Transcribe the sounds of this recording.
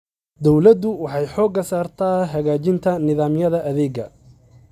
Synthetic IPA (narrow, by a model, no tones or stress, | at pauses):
d̪ɔwlɐd̪ʊwɑħɑjħɔːɡɐsaːrt̪ʰaːɦɐɣaːt͡ʃɪnt̪ʰɐnɪðaːmjɐðɐʔɐðɛːɡɐ